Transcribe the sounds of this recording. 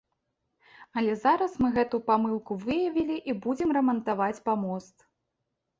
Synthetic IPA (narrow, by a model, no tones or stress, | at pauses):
ɐlʲɛzaɾɐsmɨɣɛt̪ujpamɨlˠkuvɨjɐvʲilʲiʔibud͡zʲimrɐmɐnt̪avat͡sʲpamɔst̪